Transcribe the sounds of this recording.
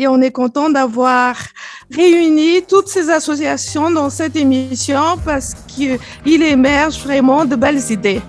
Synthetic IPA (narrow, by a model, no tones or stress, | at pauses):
eɔ̃nɛkɔ̃t̪ɑ̃d̪avwaʁː | eynit̪ut̪sezasɔsjasjɔ̃d̪ɑ̃sɛt̪emisjɔ̃paʁsə̥kə | ilemɛʁʒvʁɛmɑ̃d̪əbɛlzid̪e